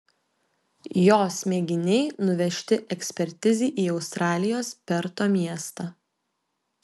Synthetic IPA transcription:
joːsmʲeːɡʲɪnʲɛɪnʊʋʲɛʃʲt̪ʲɪʔɛksʲpʲɛɾʲt̪ʲɪzʲiːʔiːɒʊst̪ɾɑːlʲɪjoːspʲɛɾt̪oːmʲiɛst̪ɐ

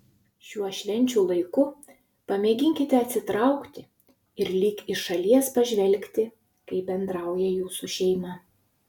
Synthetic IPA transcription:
ʃʲuɔʃʲʋʲɛnʲt͡ʃʲuːlˠɐɪkʊ | pɐmʲeːɡʲɪŋʲkʲɪt̪ʲɛɐt̪ʲsʲɪt̪ɾɑˑʊkt̪ʲɪ | ɪɾlʲiːkɪʃɐlʲiɛspɐʒʲʋʲɛlʲˑkʲt̪ʲɪ | kɐɪbʲɛnd̪ɾɑˑʊjɛjuːsuʃʲɛɪmɐ

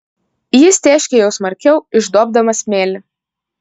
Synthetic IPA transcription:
jɪst̪ʲæːʃʲkʲejɛʊsmɐɾʲkʲɛʊɪʒd̪oːb̚d̪ɐmɐsʲmʲeːlʲɪ

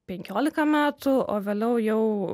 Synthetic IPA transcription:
pʲɛŋʲkʲoːlʲɪkɐmʲæːt̪ʊo̰ːʋʲeːlʲɛʊjɛʊ

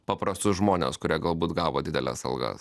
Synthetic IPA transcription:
pɐpɾɐst̪ʊʒmoːnʲḛːskʊɾʲiɛɡɐlˠbuːt̪ɡɑːʋoːd̪ʲɪd̪ʲɛlʲɛ̰sɐ̰lˠɡɐ̰s

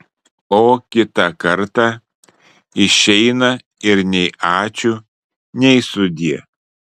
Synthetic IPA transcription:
oːkʲɪt̪ɐkɐɾt̪ɑ | ɪʃʲɛɪnɐ | ɪɾnʲɛɪɑːt͡ʃʲʊ | nʲɛɪsʊd̪ʲiɛ

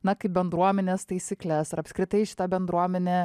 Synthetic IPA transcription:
nɐkɐɪp̚bʲɛnd̪ɾuɔmʲɛnʲeːst̪ɐɪsʲiːklʲæsɪɾɐpskɾʲɪt̪ɐɪʃʲɪ̥t̪ɐbʲɛnd̪ɾuɔmʲɛnʲeː

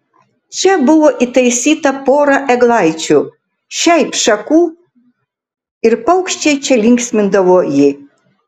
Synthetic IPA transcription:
t͡ʃɛbɨwɔʔit̪ɐjsʲit̪ɐpoɾɐʔɛɡlˠajt͡ʃu | ʃajpʂɐku | irpɐwkʃt͡ʃɛjt͡ʃʰɛlʲiŋksmɪnd̪ɐwɔjɪ

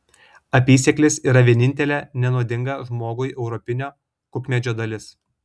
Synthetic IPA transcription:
ɐpʲiːsʲɛklʲɪsiːɾɐʋʲiɛnʲɪnʲt̪ʲɛlʲɛːnʲɛnuɔd̪ʲɪŋɡɐʒmoːɡʊjʔɛʊɾɔpʲɪnʲoː | kʊknʲɛd͡ʒʲoːd̪ɐlʲɪs

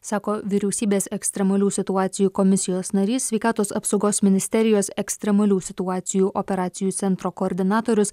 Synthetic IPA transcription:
sɑːkoːʋʲiɾʲɛʊsʲiːbʲeːsɛksʲt̪ʲɾʲɛmɐlʲuːsʲɪt̪ʊɑːt̪sʲɪjuːkɔmʲɪsʲɪjoːsnɐɾʲiːsʲʋʲɛɪkɑːt̪oːsɐpsɒʊɡoːsmʲɪnʲɪsʲt̪ʲɛɾʲɪjoːsɛksʲt̪ʲɾʲɛmɐlʲuːsʲɪt̪ʊɑːt̪sʲɪjuːʔɔpʲɛɾɑːt̪sʲɪjuːt̪sʲɛnt̪ɾoːkoːɾʲd̪ʲɪnɑːt̪oːɾʲʊs

